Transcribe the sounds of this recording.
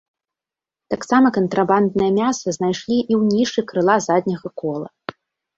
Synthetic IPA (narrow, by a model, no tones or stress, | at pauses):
t̪aksamɐkɐnt̪ɾaband̪̚nɨjɐmʲasɐznajʂlʲiʔiwnʲiʂɨkɾɨlˠazad̪ʲnʲɐɣɐkɔlˠɐ̰